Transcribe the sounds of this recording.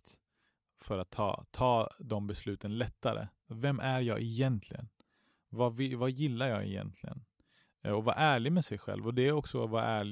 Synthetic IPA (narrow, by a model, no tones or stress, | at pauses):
t̪ | fœɾat̪ʰːɑ̰ːt̪ʰɑːd̪ɔmbɛslʉ̟ːt̪ʰənlɛt̪ːaɾə̰ | vɛmʔæɾjɑ̰ːɡʔɛjɛnt̪ʰlɪɡə̰n | vavɪvajɪlːaɾjɑːɡɛ̰jɛ̰nt̪ʰlɪɡə̰n | ɔva̰ɾʔæːɭɪɡmɛsɛjɧɛ̰lvɔd̪ɛɔksɔvaʔæːɭɪ